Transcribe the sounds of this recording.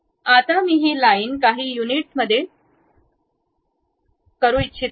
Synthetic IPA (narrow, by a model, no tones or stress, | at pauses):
at̪amiːɦiːlaiːnkaɦiːjuniʈsməd̪ʱːje | kəɾũitːt͡ɕʰi